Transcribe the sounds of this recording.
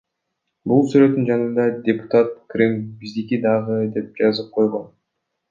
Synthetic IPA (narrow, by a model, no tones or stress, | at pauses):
bulˠsyɾø̞t̪ːynd͡ʒɑnɯnd̪ɑd̪ʲepʊ̥t̪at̪̚krʲimbizd̪ikid̪ɑʁɯd̪e̞p̚d͡ʒɑzɯp̚qʰo̞jʁo̞n